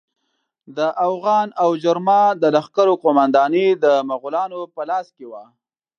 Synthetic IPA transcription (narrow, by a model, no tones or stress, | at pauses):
d̪əʔafɣɑnawd͡ʒaɾmɑd̪əlaxkaɾoqomand̪ɑnid̪əmaɣulɑnopəlɑskewa